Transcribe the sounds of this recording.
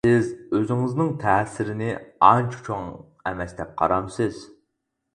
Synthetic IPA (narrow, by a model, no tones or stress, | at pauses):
sɪzøzɪŋɪznɪŋt̪ʰɛsɪɾɪnɪɑnt͡ʃʰt͡ʃʰoŋ | ɛmɛsd̪ɛp̚qʰɑ̰ɾɑmsɪz̥